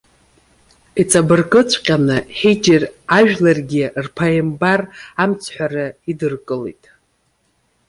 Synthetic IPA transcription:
it͡sʼabɨrkʼɨt͡sʷʰqʲʼanɨħed͡ʒɪraʒᶣlarɡʲirpʰajɪmbaramt͡sʰħʷᶣarɨidɨrkʼɨlḛjtʼ

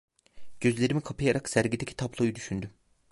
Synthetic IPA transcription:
ɟ̥ø̞zlʲe̞ɾimikʰapʰajaɾaksæɾɟid̪ecʰi̥t̪ʰablˠojud̪yʃynd̪ym

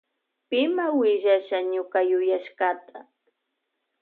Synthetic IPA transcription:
pɪmawɪʒaʃaɲʊkajʊjaʃkat̪a

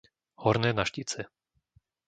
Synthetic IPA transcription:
hɔɾnɛːnaʃcit͡sɛ

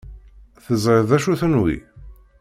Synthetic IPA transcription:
θəzˤɾeðˤæʃuθənwḭ

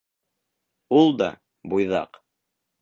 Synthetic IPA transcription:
ulˠd̪ɑ̰ | bujðɑ̰q

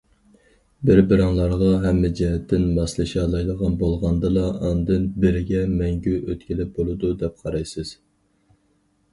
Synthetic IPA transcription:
bɪɾbɪɾɑŋlˠɑɾʁɑɦɛmːɪd͡ʒɛɦɛt̪ʰːɪnmɑslˠɨʃɑlˠɑjlˠəʁɑnbolˠʁɑnd̪ɨlˠɑɑnd̪ɨnbɪɾɪɡʲɛmɛŋɡʲyʔøt̪kʲilɪp̚bolˠɨd̪ud̪ɛp̚qʰɑɾɑjsɨz̥

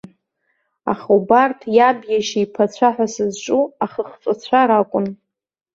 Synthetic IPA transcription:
a̰χobartʰjabjaʃijpʰat͡ɕʷʰaħʷᶣasɨzʈ͡ʂʼuaχəχt͡sʼat͡ɕʷʰaɾakʷʼʊn

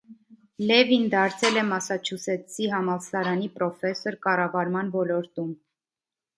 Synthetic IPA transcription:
lɛvind̪ɑɾt͡sʰɛlɛmɑsɑt͡ʃʰusɛsiɦɑmɑlsɑɾɑnipɾɔfɛsɔɾkɑrɑvɑɾmɑnvɔlɔɾt̪um

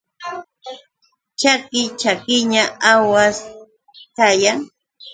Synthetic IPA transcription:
t͡ʃakɪt͡ʃakɪɲaawas | kajaŋ

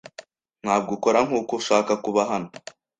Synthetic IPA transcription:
n̥haːb̚ɡokoɾaŋuːkoʃaːkakuβaɦano

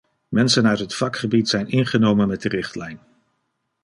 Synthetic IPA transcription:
mɛnsənœɥtɦətfɑkχəbitsɛjnɪnχənowmənmɛt̚dərɪχtlɛjn

